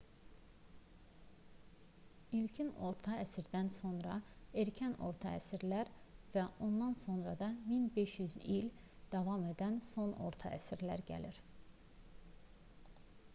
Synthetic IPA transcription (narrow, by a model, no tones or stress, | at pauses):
ilcʰino̞ɾt̪ʰɑæsiɾd̪ænso̞nɾɑeɾcʰæno̞̰ɾt̪ʰɑ̰æ̰siɾlæɾ | væʔo̞nd̪ɑnso̞nɾɑd̪ɑminbe̞ʃjyzil | d̪̥ɑvɑme̞d̪ænso̞no̞̰ɾt̪ʰɑ̰ʔæ̰siɾlæɾɟæ̰liɾ